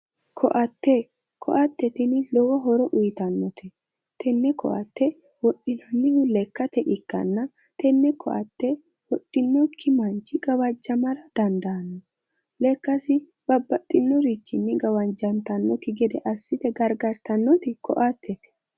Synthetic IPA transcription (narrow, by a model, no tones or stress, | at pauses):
kʰɔʔɐt̪ːɛ | kʰɔ̰ʔɐt̪ːɛt̪ɪnɪlɔwɐɦɔɾɔʔʊjt̪ɐnːɔt̪ʰɛ | t̪ʰɛnːɛkʰɔ̰ʔɐ̰t̪ːɛ | wɔɗɪnɐnːɪhʊlɛkːɐt̪ɛʔɪkːɐ̰nːɐ | t̪ɛnːɛkʰɔ̰ʔɐt̪ːɛ | wɔɗːɪnːɔkʰːɪmɐnt͡ʃɪɡɐwɐd͡ʒːɐmɐɾɐd̪̥ɐnd̪ɐnːɔ | lɛkːɐsɪ | b̥ɐbːɐt̪ʼːɪnːɔɾit͡ʃːɪnːɪɡɐwɐnd͡ʒɐnt̪ɐnːɔkɪɡɛd̪ɛʔɐsːɪt̪ɛɡɐɾɡɐɾt̪ɐnːɔt̪ɪkɔ̰ʔat̪ːɛt̪ɛ̥